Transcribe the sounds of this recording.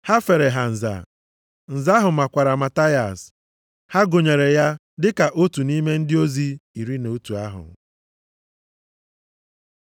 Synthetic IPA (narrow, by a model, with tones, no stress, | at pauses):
ha˦fe˨ɾe˨ɦa˨n̩˨za̰˨ | n̩˨za˦ɦʊ˨ma˨kʷa˨ɾa˨ma˨ta˦ja̰˨s | ha˦ɡo˨ɲe˨ɾe˨ja˦ | dɪ˦ka˨ʔo˦tu˨ni˦me˦n̩˦dɪ˦o˦zi˦i˨ɾi˦no˨˦tu˨a˦ɦʊ̰˨